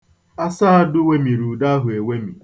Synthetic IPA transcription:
a˦sa˦a˦dʊ˦we˦mi˨ɾu˨da˦ɦʊ˨e˨we˦mḭ˨

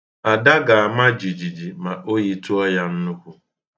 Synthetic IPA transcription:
a˨da˦ɡa˨a˨ma˦d͡ʒi˨d͡ʒi˨d͡ʒi˨ma˨ʔo˦ɣi˦tu˦ɔ˦ja˦n̩˦nu˦ku˦

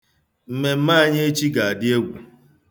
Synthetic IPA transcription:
m̩˦me˨m̩˦ma˦ɲe˦e˦t͡ʃi˦ɡa˨a˨dɪ˦e˦ɡʷu˨

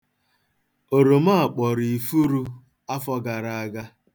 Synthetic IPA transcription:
o˨ɾo˨ma˦a˨k͡pɔ˨ɾi˨i˨fu˦ɾu˦ | a˦fɔ˦ɡa˨ɾa˨a˨ɡa˦

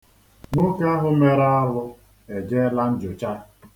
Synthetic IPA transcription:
nʊ˦ke˦a˦ɦʊ˦me˦ɾa˦a˦wʊ˦ | e˨d͡ʒe˦la˦n̩˦d͡ʒʊ˨t͡ʃa˦

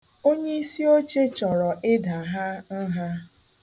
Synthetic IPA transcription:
o˦ɲe˦i˦si˦o˦t͡ʃe˦t͡ʃɔ˨ɾɔ˨ʔɪ˦da˨ɦa˦n̩˦ɦa˦

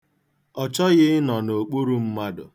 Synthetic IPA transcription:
ɔ˨t͡ʃɔ˦ɣɪ˦nɔ˨no˨k͡pu˦ɾu˦m̩˦ma˦dʊ̰˨

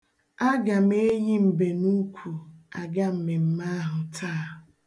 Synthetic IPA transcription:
a˦ɡa˨me˦ji˦m̩˨be˨nu˦kʷʰu˨a˨ɡa˦m̩˨me˨m̩˦ma˦ɦʊ˨tʰaː˦˨ɦʊ˨

